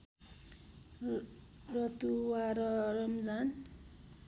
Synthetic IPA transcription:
rʌt̪uwaɾʌrʌmd͡zan

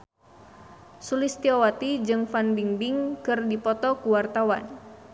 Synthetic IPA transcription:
sulist̪iɔwat̪id͡ʒɨŋfanbiŋbiŋkɨrdipɔt̪ɔkuwart̪awa̰n

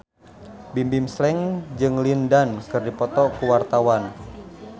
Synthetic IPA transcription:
bimbimslɛŋd͡ʒɨŋlindankərdipɔt̪ɔkuwart̪awan

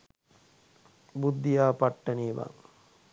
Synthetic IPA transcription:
bud̪ːijaːpaʈːɐniːʋa̰ŋ

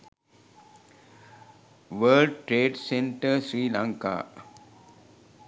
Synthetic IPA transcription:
ʋəlɖʈɾeːʈsẽɳʈəsɾiːlãŋka̰ː

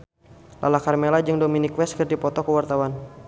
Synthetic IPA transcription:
lʔa̰lakarmelad͡ʒɨŋdominikwɛskərdipɔt̪ɔkəwart̪awan

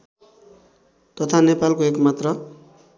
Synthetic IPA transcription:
t̪ʌt̪ʰanepalkoekmat̪rʌ

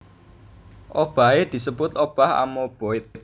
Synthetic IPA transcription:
ʔob̥a̤ed̪̥i̤səb̥ʊt̪ob̥aha̰mob̥oɪt̪̚

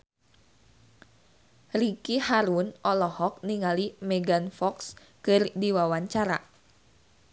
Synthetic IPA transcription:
rikihaɾunʔɔlɔhɔk̚niŋalimɛɡanfɔks | kɨrdiwawaɲt͡ʃaɾa̰

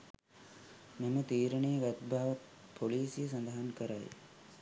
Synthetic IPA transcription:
memɐt̪iːɾɐɳejɐɡɐt̪bʱaːʋɐt̪̚ | pʰoliːsijes̬ɐnd̪ɐɦɐnkɐɾɐ̰j

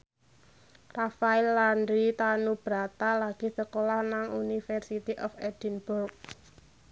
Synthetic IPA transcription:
rafailːandɾit̪anub̥ɾat̪alaɡ̥i̤səkolahnaŋunifɛrsit̪iʔɔfɛd̪̥ɛnburk̚

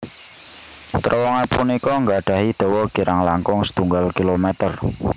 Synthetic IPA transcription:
t̪ɾɔwɔŋapunikɔŋɡaɖ̥a̤ɦid̪̥ɔ̤wɔɡ̥iɾaŋlaŋkʊŋsə̥t̪uŋɡalkilomɛt̪ər

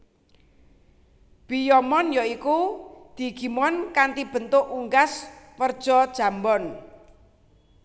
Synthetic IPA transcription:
b̥ijɔmɔnjɔikud̪̥i̤ɡ̥i̤mɔnkant̪ib̥ə̤nt̪ʊʔuŋɡaswərd̥ʒ̥ɔ̤d̥ʒ̥ä̤mbɔn

